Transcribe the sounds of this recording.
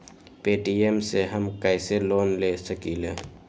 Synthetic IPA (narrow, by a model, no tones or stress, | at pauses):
peːʈiemseɦəmkəɪseloːnlesəkile